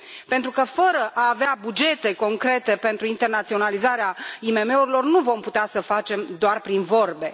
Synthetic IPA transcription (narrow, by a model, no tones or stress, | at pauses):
pe̞nt̪ɾukəfəɾəʔaːveabud͡ʒe̞t̪e̞ko̞ŋkɾe̞t̪e̞pe̞nt̪ɾuint̪e̞rnat̪sio̞nalizaɾeaime̞me̞uɾilo̞rnuvo̞mput̪easəfat͡ʃe̞md̪oarpɾinvo̞rbe̞